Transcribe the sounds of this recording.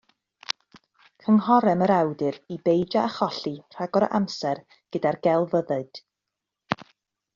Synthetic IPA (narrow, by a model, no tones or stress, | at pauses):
kʰəŋhɔɾɛməɾawdɨɾibejd͡ʒaːχɔɬir̥aɡɔɾə̰ʔamsɛr | ɡ̥ədarɡɛlˠvəðɨɨd̥